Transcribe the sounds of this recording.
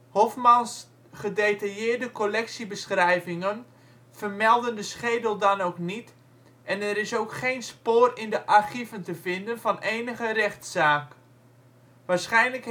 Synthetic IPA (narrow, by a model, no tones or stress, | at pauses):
hofmɑns | χədetajɪːrdəkolɛksibəsχrɛjvɪŋən | fərmɛlˠdəndəsχeːdəl̩ˠdɑnowknit | ʔɛnɛɾɪsoːkχejnspoːrɪndəʔarχivəntəvɪndənvɑnʔeːnəɣərɛxtsaːk | ʋaːɹsχɛjnlək